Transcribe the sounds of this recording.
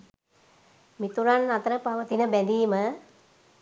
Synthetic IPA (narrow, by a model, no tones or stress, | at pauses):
mit̪uɾanːat̪əɾəpaʋət̪inəbænd̪iːmə